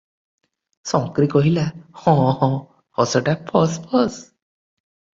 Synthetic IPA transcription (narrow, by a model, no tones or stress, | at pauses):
sɔ̃ŋkɾikɔɦilahɔ̃ɔ̃ | ɔsɔʈapʰɔspʰɔs